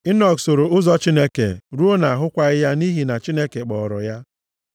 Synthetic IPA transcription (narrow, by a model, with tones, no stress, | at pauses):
ɪ˦nɔ˨kso˨ɾo˨ʊ˦zɔ˦t͡ʃi˦ne˦kḛ˨ɾu˦o˦na˨a˨ɦʊ˦kʷa˦ɪ˦ja˦ni˦ɦi˨na˨t͡ʃi˦ne˦ke˨k͡pɔ˨ɾɔ̰˨ja˦